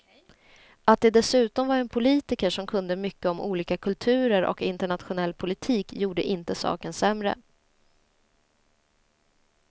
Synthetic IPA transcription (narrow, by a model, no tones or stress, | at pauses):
ʔat̪̚d̪ɛd̪ɛsʉ̟ːt̪ɔmvaɾɛnpʰʊliːt̪ɪkəʂɔmkʰɵnd̪əmʏkːəɔmʔṵːliːkakʰɵlt̪ʰʉ̟ːɾəɾɔ̰kɪnt̪əɳat̪ɧʊnɛlːpʰʊlɪt̪ʰiːkjuːɖə̰ʔɪnt̪əsɑ̰ːkənsɛmɾə̰